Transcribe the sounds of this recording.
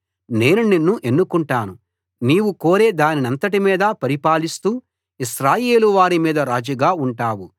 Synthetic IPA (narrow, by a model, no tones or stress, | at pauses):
ne̞ːnuninːuʔe̞nːukuɳʈaːnu | niːwukoːɾe̞ːd̪aːninɐnt̪ɐʈimiːd̪ɐpɐɾipaːlist̪uː | iʃɾaːje̞ːluʋaːɾimiːd̪ɐɾaːd͡ʒuɡaːuɳʈaːwu